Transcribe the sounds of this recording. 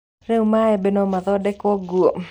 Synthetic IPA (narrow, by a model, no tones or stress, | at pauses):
ɾeumaɛbenɔmaðɔdɛkwɔɡuo